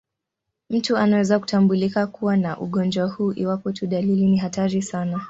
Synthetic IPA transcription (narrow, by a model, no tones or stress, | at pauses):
m̩tuanawɛzaku̥tambulikakuwanaʔṵɠɔnd͡ʒwahuːʔiwapɔtuɗaliliniɦataɾisana